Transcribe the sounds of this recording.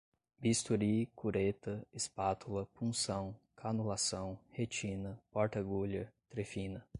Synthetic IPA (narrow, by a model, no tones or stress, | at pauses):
bist̪uɾikuɾet̪ɐespat̪ulɐpũsɐ̃w̃ | kʰanulasɐ̃w̃het͡ʃĩnɐpɔɾt̪ɐɡuʎɐt̪ɾefĩnɐ